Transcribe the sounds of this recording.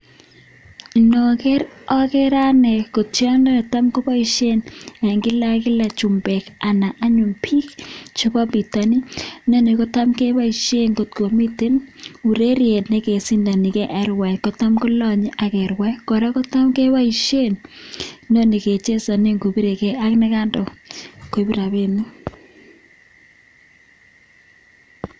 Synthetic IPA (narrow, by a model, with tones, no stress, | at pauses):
i˨no˨kɛ˦ɾɔ˦kɛ˦ɾa˦nɛ˨ko˨tt͡ʃa˦nɔ˦˨ta˦mko˦pa˦i˨ʃe˦nɛ˨ŋɡɪ˦la˦kɪ˦la˨t͡ʃu˨mbɛ˨ka˨na˨ʔa˦ɲʊ˨mpʰi˦kt͡ʃo˦pa˦bi˨ta˨ni˦no˦ne˨kɔ˦ta˦mke˦wa˦i˨ʃe˦ŋɡo˨tko˨mi˦te˦nu˨ɾe˦ɾje˨dnɛ˦ke˨si˦nda˨nɪ˨kɛ˦ʔɛ˨ɾwɛ˨kɔ˦ta˦mko˦lɔ˦ɲ˦ʔa˨kɛ˨ɾwɛ˦kɔ˨ɾa˦kɔ˦ta˦mke˦wa˦i˨ʃe˦˨n | no˦ni˨ke˨t͡ʃe˦sa˨ne˦ŋɡo˨bi˦ɾe˨kɛ˨ʔa˦knɛ˦ka˦ndɔ˨ko˨bi˦ɾa˨βe˦nɪ˦